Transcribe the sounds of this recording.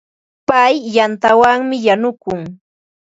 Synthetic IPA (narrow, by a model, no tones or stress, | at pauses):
pajːant̪awaŋmɪjanʊkʊŋ